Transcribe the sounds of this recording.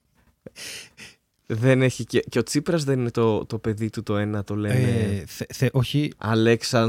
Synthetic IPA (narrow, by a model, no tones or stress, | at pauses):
ðe̞ne̞çiceceo̞t͡sipɾɐzðenine̞t̪o̞t̪o̞pe̞ðit̪ut̪o̞e̞nɐt̪o̞le̞neθeʔoçiɐ̰leksɐ